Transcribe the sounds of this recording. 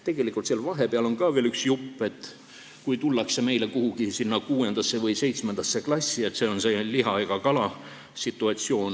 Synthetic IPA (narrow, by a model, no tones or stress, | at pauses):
t̪e̞ɡ̥e̞likːˑult̪seɑlvɑɦe̞peɑlo̞nkɑːve̞ːlyksjupːe̞t̪ː | kujt̪ulːɑkse̞me̞jle̞kuhuɡ̥isinːɑkuːe̞nd̪̥ɑsːe̞vɤjse̞jt̪smend̪ɑsːe̞klɑsʲːie̞t̪se̞ːo̞nse̞liɦɑeɡ̥ɑkɑlɑ | sit̪ːˑuɑt̪sio̞ːn